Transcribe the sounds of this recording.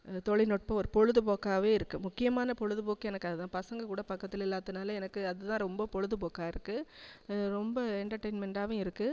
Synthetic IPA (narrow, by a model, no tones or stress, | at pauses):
t̪ɔɻɪnɔʈ̚pɐɔɾɯpɔɻɯðɯpoːkːaːʋeːɪɾɯkːɯmʊkːɪjɐmaːnɐpɔɻɯðɯpoːkːɐɛnɐkːɯɐðɯt̪ãːpɐsɐŋɡɐkuːɽɐpɐkːɐt̪ːɪlɪlːaːt̪ːɯnaːlɐɛnɐkːɯɐðɯt̪ãːɾɔmbɐpɔɻɯðɯpoːkːaːɪɾɯkːɯ | ɾɔmbɐɛɳʈɐɾʈɐɪnmɛɳɖaːʋʊ̃ɪɾɯkːɯ